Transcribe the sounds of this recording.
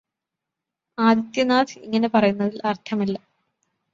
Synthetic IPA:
aːd̪it̪jɐnaːd̪iiŋːɐne̞pɐrɐjunːɐðilʔɐrt̪ʰɐmilːɐ

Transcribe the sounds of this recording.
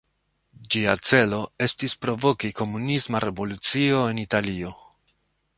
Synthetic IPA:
d͡ʒiat͡se̞lo̞e̞stispɾo̞vo̞kiko̞munismaɾe̞vo̞lut͡sio̞e̞nitalio̞

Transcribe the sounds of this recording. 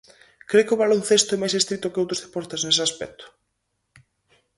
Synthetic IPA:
kɾekɪoβalonθest̪oɛmajs̬est̪ɾit̪ʊkeowt̪ɾo̥zðepɔɾt̪eznesɪaspɛ̰k̚t̪ʰʊ̥

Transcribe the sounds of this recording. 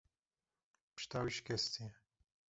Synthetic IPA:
pʃt̪awiʃkɛst̪iɛ

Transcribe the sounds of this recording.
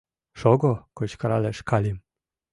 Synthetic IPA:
ʃɔɡɔkɔɕkaɾalɛʂkalim

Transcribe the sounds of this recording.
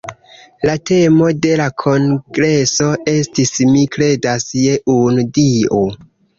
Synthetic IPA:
late̞mo̞de̞lakʰo̞ŋɡɾe̞so̞e̞stismikɾe̞dasje̞ʔundio

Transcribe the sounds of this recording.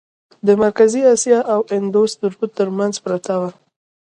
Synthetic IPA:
d̪əmaɾkaziɑsjɑʔawɪnd̪ost̪uɾbut̪ːəɾmanzpɾat̪awa

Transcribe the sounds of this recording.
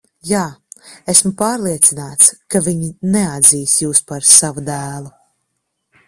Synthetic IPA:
jaːesmupaːɾlˠiɛt̪sinaːt̪skaviɲinɛad̪ziːsjuːspaɾsavud̪æːlˠu

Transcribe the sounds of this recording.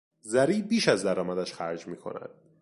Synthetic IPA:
zæɾiːbiːʃæzd̪æɾɒːmæd̪æʃxæɾd͡ʒmiːkʰo̞̰næ̰d̪̥

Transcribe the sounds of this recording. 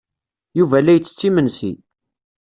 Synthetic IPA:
juvælːæjt͡sːə̥t͡sːimənsḭ

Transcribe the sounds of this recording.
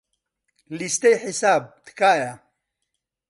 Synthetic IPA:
list̪ejħisaːb̚t̪kaːja

